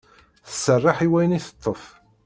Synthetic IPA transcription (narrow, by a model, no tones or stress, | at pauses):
θəsːərˤːɑħiwæjəniθə̥t̪ˤːəf